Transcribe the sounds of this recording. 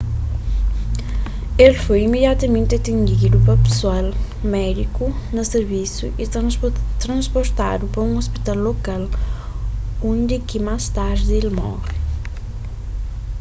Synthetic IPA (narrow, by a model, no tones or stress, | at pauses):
elfojimeðjat̪ɐmẽnt̪ɪɐt̪ẽnd̪id̪upɐpe̥swal | mɛd̪iku | nɐseɾvisjṵʔi | t̪ɾɐ̃nspoɾt̪a̰d̪upɾɐũŋospi̥t̪alːokal | õnd̪ɪkimast̪aɾd̪elmɔ̰ʁi